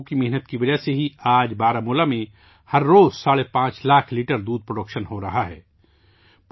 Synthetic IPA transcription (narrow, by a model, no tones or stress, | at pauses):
kimɛɦnət̪kiʋɐd͡ʒaseɦiaːd͡ʒbaːɾamuːlamẽ | hɐɾːoːzsaːɭepãːt͡ʃlaːkʰliːʈəɾd̪uːd̪̚pɾoɖəkʃənɦoɾɐɦaɦɛː | p